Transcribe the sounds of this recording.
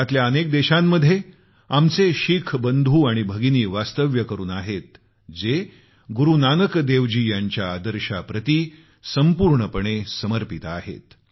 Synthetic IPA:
at̪ljaənek̚d̪eɕamːəd̪ʱje | amt͡seɕikʰbənd̪ʱuːaɽ̃ibʱəɡiniːʋast̪əʋjəkəɾuːnaɦet̪ | d͡ze | ɡuɾunanəkd̪eʋd͡ʑiːjaɲt͡ɕjaːd̪əɾɕapɾət̪i | səmpuɾɳəpəɳ̃esəməɾpit̪aɦḛt̪

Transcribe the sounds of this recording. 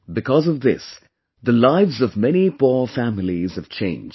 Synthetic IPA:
bɨkʰɔzʌvðɪs | ðəlaɪvzʌvmɛnipʰɔɹfæmɪliz̥ɨv̥t͡ʃʰẽɪ̃nd͡ʒ

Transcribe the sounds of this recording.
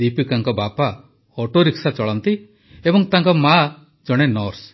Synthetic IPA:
ipikaŋkɔbapa | ɔʈoɾiksat͡ʃɔɭɔnt̪i | ebɔŋt̪aŋkɔma | d͡ʒɔɽ̃enɔɾs

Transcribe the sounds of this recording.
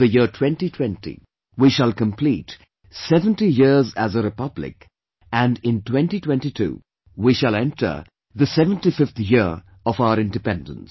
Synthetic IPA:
ðəjɪɹtʰw̥ɛ̃ntitʰw̥ɛ̃ntḭ | wiʃəlˠkə̃mpʰliːt | sɛvə̃ntijɪɹzæzəɾɨpʌblɪ̰k | æ̃nɪ̃ntwɛ̃ntitwɛ̃ntitʰṵː | wiʃəlɛ̃ntʰə̰˞ | ðəsɛvə̃ntifɪft̪jɪɹ | ɔvaʊəɾɪ̃ndɨpɛ̃ndə̰̃ns

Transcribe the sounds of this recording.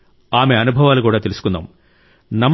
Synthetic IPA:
aːmeɐnubʱɐʋaːlkuːɽet̪ilisu̥kːunːɐ̰m | nɐmː

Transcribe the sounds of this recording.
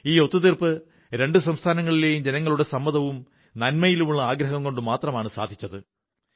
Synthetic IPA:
iːo̞t̪ːuðirpɨ | ɾe̞ɳɖɨsɐmst̪ʰaːnɐŋːɐɭile̞ːjumd͡ʑenɐŋːɐɭuɽe̞sɐmːɐðɐʋum | nɐnmɐjilumuɭːɐaːɡɾɐɦɐmko̞ɳɖɨmaːt̪rɐmaːɳɨsa̰ːd̪ʱit͡ɕːɐðɨ

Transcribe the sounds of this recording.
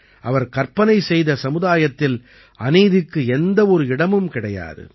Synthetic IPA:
ʔɐʋɐɾkɐɾpɐnɐɪsɛjðɐsɐmɯðaːjɐt̪ːɪl | ʔɐniːðɪkːɯɛnd̪ɐɔɾɯɪɽɐmɯmkɪɽɐja̰ːðɯ̰

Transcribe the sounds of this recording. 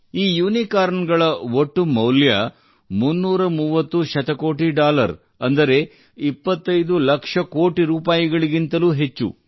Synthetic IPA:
iːjuːnikaːɾɐnɡɐɭɐoʈːumɐwljɐ | munːuːɾɐmuːʋɐt̪ːuʃɐt̪ɐko̞ːʈiɖaːlɐ̰ɾ | ɐnd̪ɐɾe̞ | ipːɐt̪ːɐjd̪ulɐkʂɐkoːʈiɾuːpaːjiɡɐɭiɡint̪ɐluːɦe̞t͡ʃːṵ

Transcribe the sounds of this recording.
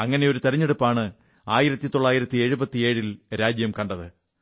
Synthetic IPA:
ɐŋːɐne̞jo̞ɾut̪ɐɾiɲːeɽupːaːɳɨ | aːjiɾɐt̪ːit̪o̞ɭːaːjiɾɐt̪ːie̞ːɻubɐt̪ːie̞ːɻilɾaːd͡ʑjɐmkɐɳɖɐðɨ

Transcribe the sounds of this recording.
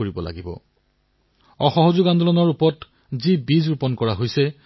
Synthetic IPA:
oɹibɔla̰ɡibɔ̰ | ɔxɔɦozʊɡand̪ʱɔlɔnɔɹupɔt | zibizɹupɔnkɔɹaɦojsɛ

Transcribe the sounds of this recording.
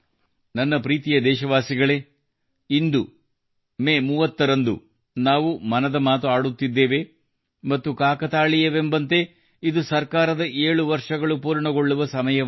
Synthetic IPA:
nɐnːɐpɾiːt̪ijɐd̪ɛːʃɐʋaːsiɡɐɭe̞ | ind̪u | meːmuːʋɐt̪ːɐɾɐnd̪ṵ | naːʋumɐnɐd̪ɐmaːt̪uaːɽut̪ːid̪ːeːʋe | mɐt̪ːukaːkɐt̪aːɭijɐʋembɐnt̪e̞ | id̪usɐɾkaːɾɐd̪ɐʔeːɭuʋɐɾʂɐɡɐɭupuːɾɳɐɡoɭːuʋɐsɐmɐjɐ

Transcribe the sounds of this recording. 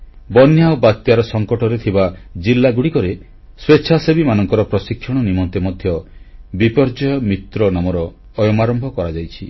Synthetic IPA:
bɔnjaobat̪ːjaɾɔsɔŋkɔʈɔɾet̪ʰibad͡ʒilːaɡuɽikɔɾe | sweːʃʰasebimanɔŋkɔɾɔpɾɔsikʰːjɔɽ̃ɔnimɔnt̪emɔd̪ʱjɔbipɔɾd͡ʒɔjɔmit̪ɾɔnamɔɾɔː | jɔmaɾɔmbʱɔkɔɾad͡ʒajt͡ʃʰi

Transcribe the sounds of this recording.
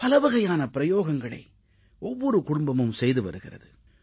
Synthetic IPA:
pɐlɐʋɐɣɐjaːnɐpɪɾɐjoːɣɐŋɡɐɭɐ̰ɪ | ɔʋːɔɾɯkʊɽʊmbɐmɯmsɛjðɯʋɐ̰ɾɯɣɪrɐ̰ðɯ

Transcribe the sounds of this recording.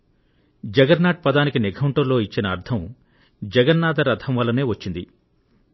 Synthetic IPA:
d͡ʒɐɡɐɾnaːʈ̚pɐd̪aːnikinikʰɐwɳʈɐɾlo̞ːit͡ʃːinɐːɾt̪ʰɐm | d͡ʒɐɡɐnnaːd̪ɐɾɐt̪ʰɐmʋɐlːɐne̞ːʋɐt͡ʃːind̪ḭ

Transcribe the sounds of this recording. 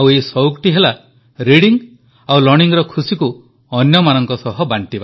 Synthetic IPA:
awesɔukʈiɦela | ɾiɽiŋ | awlɔɾɽ̃iŋɾɔkʰusiku | ɔnjɔmanɔŋkɔsɔɦɔbaɳʈiba

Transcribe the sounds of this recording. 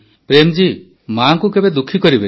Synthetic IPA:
pɾemd͡ʒi | maŋkukebed̪ukʰːikɔɾibe

